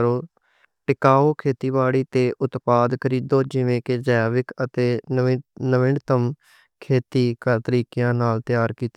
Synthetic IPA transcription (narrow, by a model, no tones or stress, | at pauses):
ɾoː | ʈɪkaːoːkʰeːt̪iːbaːɽiːt̪eːʔʊt̪paːd̪kʰəɾiːd̪oːd͡ʒɪʋẽːked͡ʒɛːʋɪkət̪eː | nəʋɪɳɖt̪əm | kʰeːt̪iːkat̪əɾiːkɪjãːnaːlt̪ɪjaːɾkiːt̪e